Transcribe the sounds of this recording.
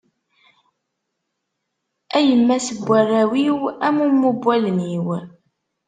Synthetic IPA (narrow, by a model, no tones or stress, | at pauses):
æjəmːæsəbʷːærːæwiwæmumːubʷːælniw